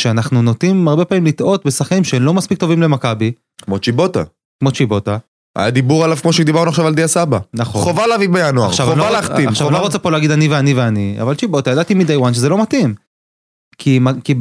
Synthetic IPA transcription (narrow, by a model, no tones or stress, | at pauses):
ʃeanaχnunot̪imaʁbe̞pamimlit̪ʔo̞t̪̚besaχkanimʃeemlo̞maspik̚t̪o̞vimle̞makabi | kmo̞t͡ʃibo̞t̪a | kmo̞t͡ʃibo̞t̪a | ʔa̰jad̪ibuʁalavkmoʃed̪ibaʁnuaχʃavald̪iasabanaχoχovalavibejanuaʁ̰ʃavnlalaχt̪iamʃaanoʁot͡sepo̞laːɡid̪aniveaniveania̰valt͡ʃibo̞t̪ajad̪at̪imid̪ajwanʃ̬ezelo̞mat̪im | kʰimaki